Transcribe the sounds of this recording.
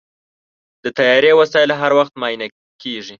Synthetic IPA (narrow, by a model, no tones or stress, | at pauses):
d̪̥ət̪ajɑɾewasɑjɪlɦaɾwaxt̪mɑjna | keʐi